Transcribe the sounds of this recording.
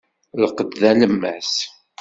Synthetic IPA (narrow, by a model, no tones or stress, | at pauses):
ləqəd̪ðæləmːæ̰s